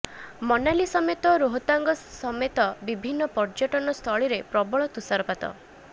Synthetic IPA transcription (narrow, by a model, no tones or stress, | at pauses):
mɔnalisɔmet̪ɔɾoɦɔt̪aŋɡɔsɔmet̪ɔbibʱinːɔpɔɾd͡ʒɔʈɔnɔst̪ʰɔɭiɾepɾɔbɔɭɔt̪usaɾɔpat̪ɔ̰